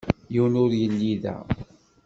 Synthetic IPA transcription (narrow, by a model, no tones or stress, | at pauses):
jiwnʊɾjəlːiðæ̰